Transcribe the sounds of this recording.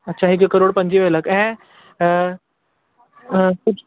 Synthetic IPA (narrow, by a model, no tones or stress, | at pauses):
ɐtːɕʰaːɦɪkekəɾoːɽpɐ̃ɲd͡ʑiʋeləkɛ̃ː | kʊd͡ʑʱ